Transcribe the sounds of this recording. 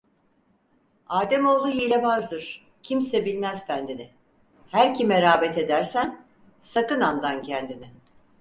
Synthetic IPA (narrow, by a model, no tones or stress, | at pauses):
aːd̪ɛmo̞lˠd̪uɦiːlʲɛbazd̪ɯɾ̥ | cʰimsɛbilʲmæzfænd̪inɪ | hæɾcʰimɛɾaːbɛt̪e̞d̪æɾsæn | sakɯnand̪ancʰænd̪inɪ